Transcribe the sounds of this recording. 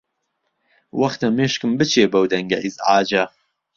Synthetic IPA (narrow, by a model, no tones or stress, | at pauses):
wɐxt̪ɐmeːʃkɨmbɨt͡ʃʰeːbɐwd̪ɐŋɡɐʔizʕaːd͡ʒɐ